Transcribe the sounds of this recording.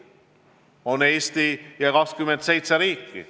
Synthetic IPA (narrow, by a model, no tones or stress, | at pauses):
o̞ne̞ːst̪ijɑkɑkskyment̪se̞jt̪sɛɾiːkːḭ